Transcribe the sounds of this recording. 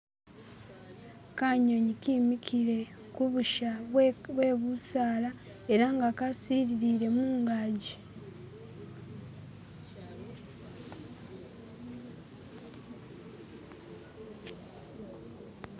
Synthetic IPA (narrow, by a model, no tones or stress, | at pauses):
kaɲo̞ɲikimikʰiɾe̞ | kuβuʃaβwe̞ːβusaːla | e̞ɾaŋɡakasiːɾiɾiɾe̞muːŋɡaːɟi